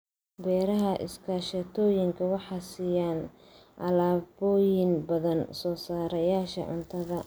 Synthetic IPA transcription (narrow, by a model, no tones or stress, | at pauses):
bɛːɾɐɦɐʔɪ̰skʰɐʃɐt̪ʰɔːjɪŋkʰɐwɑħɑːsiːjaːn | ʔɐ̰laːbɔːjɪnbɐðɐnsɔːsaːɾɐjaːʃɐ̰ʕʊ̰nt̪ʰɐðɐ